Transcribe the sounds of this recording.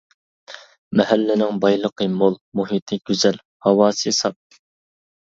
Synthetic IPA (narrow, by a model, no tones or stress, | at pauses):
mɛɦælːɪnɪŋbɑjlˠəqʰəmolˠmuɦit̪ʰɪɡʲyzɛl | hɑwɑːsɨsɑp̚